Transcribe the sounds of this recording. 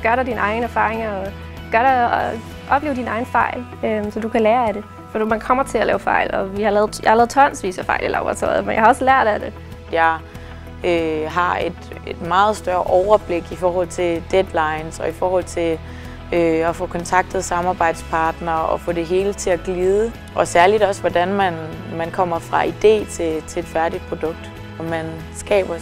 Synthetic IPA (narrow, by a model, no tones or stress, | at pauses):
ɡ̥ɶɐɾɑ̈ɪd̥inɑ̈ɪn̩æɐfɑ̈ːʁeŋɒ | ɡ̥ɶɐɾ̥ɑɪ | ʔɒ̽b̥le̝ːʊd̥inɑ̈ɪn̩fɑ̈ɪ̰l | øsɒ̽d̥ukʰælæːɐæɾe̝ | fɒ̥mænkʰɒ̽m̰ɐt͡sʰe̝lælɛ̰ːʊfɑ̈ɪ̰lɒ̽ʋihɑ̈lɛːð̞̩ˠjɑhɑlɛːð̩ˠt͡sʰɒ̽nsʋḭːsɐfɑ̈ɪ̰lilʔɑ̈ːb̥ʁɑt͡sʰɒ̰ɪð̩ˠmenjɑhɑ̈ɒ̽slæɐ̰d̥æd̥e̝ | jɑ̈ɪ | øɦɑ̈e̝d̥ed̥mɑ̈ːð̞̩ˠsd̥ɶɐʔɒʊɐb̥le̝ɡ̥ifɒːhɒ̽l̰t͡sʰe̝ld̥ed̥lɑ̈ɪnsɒ̽ifɒːhɒ̽l̰t͡sʰe̝l | øɒfɔ̽kʰɒ̽nt͡sʰɑ̈ɡ̥̚d̥ð̩ˠsɑ̈mɑ̈ːb̥ɑ̈ɪ̰d̥spʰɑ̈ːd̥nɐɒfɔ̽d̥e̝ɦe̝ːlət͡sʰe̝æɡ̥liːðˠə | ʔɒ̽sæɐlid̥ɒ̽sʋɒd̥ænmænmænkʰɒ̽m̰ɐfʁɑ̈ʔid̥e̝̰ːt͡sʰe̝t͡sʰe̝e̝d̥fæɐdid̥̚pʰʁo̝d̥ɔ̽ɡ̥̚d̥ | ɒ̽mæn | sɡ̥ɛ̰ːb̥ɐ